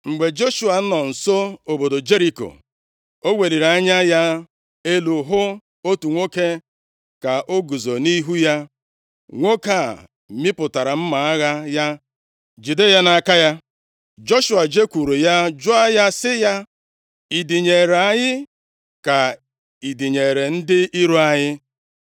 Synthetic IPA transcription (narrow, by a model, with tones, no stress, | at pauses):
ŋ͡m̩˨ɡ͡be˨d͡ʒo˦ʃu˨a˨n̩˦nɔ˨n̩˨so˦o˨bo˨do˨d͡ʒe˦ɾi˨ko̰˨ | o˦wʷe˨li˨ɾa˦ɲa˦ja˦ | e˦lu˨ɦʊ˦ | o˦tu˨ŋʷo˦ke˦ | ka˨ʔo˦ɡu˨zo˨ni˦ɦu˦ja˦ | ŋʷo˦ka̰˦˨ | mi˦pʊ˨ta˨ɾa˨m̩˦ma˨a˦ɣa˦ja˦ | d͡ʒi˨de˦ja˦na˨a˨ka˦ja˦ | d͡ʒo˦ʃu˨a˨d͡ʒe˦kʷu˨ɾu˨ja˦d͡ʒʊ˦a˦ja˦sɪ˦ja˦ | i˨di˨ɲe˨ɾa˦ɲɪ˦ | ka˨ | i˨di˨ɲe˨ɾe˨n̩˦dɪ˦ʔi˦ɾu˦a˦ɲɪ˦